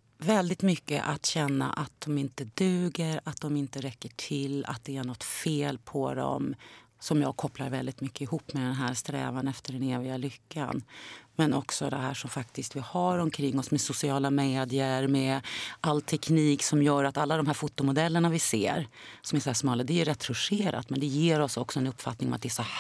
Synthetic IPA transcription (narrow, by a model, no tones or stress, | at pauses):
vɛld̪ɪt̪mʏkːə̰ʔat̪ɕɛnːa̰ʔat̪̚d̪ɔmɪnt̪əd̪ʉ̟ːɡəɾat̪̚d̪ɔmɪnt̪əɾɛkːəʈʰɪlːa̰t̪̚d̪ɛæɳɔt̪ːfeːlpʰɔd̪ɔ̰msɔmjɑ̰ːɡ̚kʰɔplaɾvɛld̪ɪt̪mʏkːəɪhuːpːmɛd̪ɛnɦæːɾst̪ɾɛ̰ːvanɛft̪əɖɛneːvɪɡalʏkʰːa̰nmɛnɔksɔd̪ɛɦæːʂɔmfakt̪ɪst̪vɪhaɾɔmkʰɾɪŋːɔsmɛsʊsɪɑːlameːd̪jəɾmɛʔalt̪ʰɛkʰniːksɔmjœːɾat̪alːad̪ɔmɦæːɾfʊt̪ːʊmʊd̪ɛlːəɳavɪsḛːɾsɔmæsɔhæːʂmɑːləd̪ɛjʉɾɛt̪ːfɵʂeːɾa̰t̪mɛnd̪ɛjeːɾɔsɔksɔɛnɵpːfat̪nɪŋɔmat̪̚d̪ɛæsɔ